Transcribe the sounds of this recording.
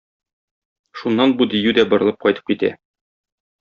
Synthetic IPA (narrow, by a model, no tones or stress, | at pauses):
ʃunːɑnbud̪ijʉd̪æbŏɾɤ̆lˠɤp̚qɒjt̪ɤ̥p̚kit̪æ̰